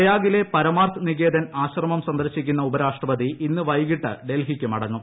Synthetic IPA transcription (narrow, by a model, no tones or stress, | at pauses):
jaːɡile̞pɐɾɐmaːrt̪ʰɨniɣe̞ːd̪ɐnaːɕrɐmɐmsɐnd̪ɐɾɕikʲːunːɐubɐɾaːʂʈrɐpɐd̪iinːɨʋɐjɣiʈːɨ̰ɖe̞lɦikʲːɨmɐɽɐnːu